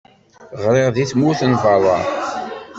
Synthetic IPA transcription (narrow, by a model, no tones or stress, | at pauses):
ʁɾɪʁðiθmuθənvɑlˤɑ̰